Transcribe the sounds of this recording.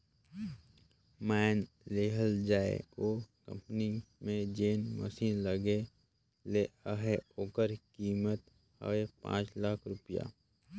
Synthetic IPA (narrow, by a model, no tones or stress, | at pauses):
mɛːn | leɦəld͡ʒaːḛoːkə̰̃mpnimẽd͡ʒeːnmə̰siːnləɡe | leəɦeoːkəɾkiːmət̪ | hə̰ʋepã̰ːt͡ʃlaːkʰɾʊpija̰ː